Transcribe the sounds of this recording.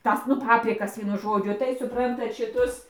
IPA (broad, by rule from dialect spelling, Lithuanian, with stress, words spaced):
ˈtɐs nʊ ˈpɑːpʲrʲɪkɐs ˈʋʲiɛnʊ ˈʒoːd͡ʒʲʊ tɐɪ sʊˈprɐntɐt ʃʲɪˈtʊs